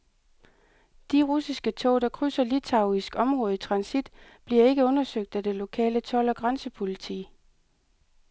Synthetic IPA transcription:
d̥iʁusisɡ̥ət͡sʰɔ̰ʊɾ̥ɑ̈kʰʁysɐlit͡sʰɑ̈ʊisɡ̥ɒ̽mʁɔ̽ːð̩ˠit͡sʰʁɑ̈nsid̥b̥liɐe̝ɡ̥əɔ̽nɐsøɡ̥̚d̥æd̥e̝lo̝kʰɛ̰ːlət͡sʰɒ̽lɒ̽ɡ̥ʁansəpʰo̝lit͡sʰḭː

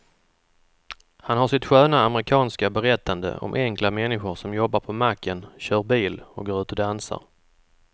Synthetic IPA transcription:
hanhaʂɪt̪ɧøːnaːmɾɪkʰɑːnskabɛɾɛt̪ʰːand̪ə̰ɔ̰mʔɛŋklamɛnːɪɧʊɾʂɔmjɔbːaɾpʰɔmakʰːənɕœːɾbiːlɔkɡoːɾʉ̟ːt̪ɔd̪ansa̰ɾ

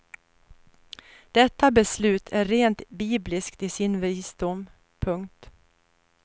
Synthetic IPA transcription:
d̪̥ɛt̪ːabɛslʉ̟ːt̪ʰæɾɾeːnt̪biːblɪskt̪ɪsɪnviːsd̪ʊm | pʰɵŋkt̪

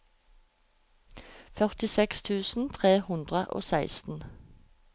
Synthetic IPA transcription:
fœʁt̪ɪsɛkst̪ʰʉːsn̩t̪ʰʁeːhʉnd̪ʁəʔo̰ːsæɪst̪n̩

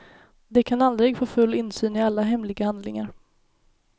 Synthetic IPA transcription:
d̪ɛkʰanald̪ɾɪɡfoːfɵlːɪnːsyːnɪalːaɦɛmlɪɡahand̪lɪ̰ŋaɾ

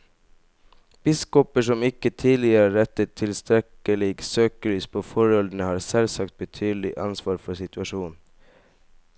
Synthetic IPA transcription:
b̥ɪskɔpəʂɔmɪkət̪ʰiːlɪəɾəɾɛt̪ət̪ʰɪlst̪ɾɛkəlɪɡsøːkəɾyːspʰoːfɔɾɔld̪ɳəhɑːɾsɛlsɑk̚t̪̚bət̪ʰyːd̪l̩ɪʔɑ̰nsʋɑːɾfɔsɪt̪ʉɑʃuːnn

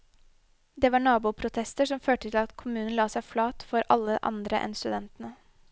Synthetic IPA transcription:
d̪eːʋɑːɳɑːbuːpʰɾʊt̪ʰɛst̪əʂɔmføːʈət̪ʰɪlɑt̪kʰʊmʉːnn̩lɑːsæɪflɑːt̪fɔɾʔɑ̰lːəʔɑ̰nd̪ɾəʔɛ̰nst̪ʉd̪ɛnt̪ən̩ə

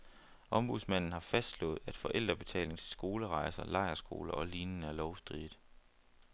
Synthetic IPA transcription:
ʔɒ̽mb̥uðˠsmæn̰n̩hɑ̈fæsd̥lɔ̰̽ːð̞̩ˠæd̥fɒ̽ʔel̰d̥ʁɐb̥e̝t͡sʰɛ̰ːle̝ŋt͡sʰe̝̥sɡ̥o̝ːləʁɑ̈ɪsɐlɑ̈ɪɐsɡ̥o̝̰ːlɐʔɒ̽liːnn̩æɐlɒʊsd̥ʁḭd̥ˠ

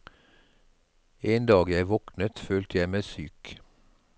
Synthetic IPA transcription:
eːnd̪ɑːɡjæɪʋɔknət̪føːlt̪əjæɪmæɪsyːk

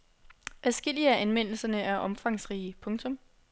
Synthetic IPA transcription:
æsɡ̥el̰iæʔænʋen̰l̩sɐnəʔæɐʔɒ̽mfɑ̈ŋsʁiːpʰɔ̽ŋt͡sʰɔ̽m

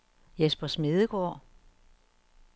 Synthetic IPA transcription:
jesb̥ɐsme̝ðˠəɡ̥ɒ̰ː

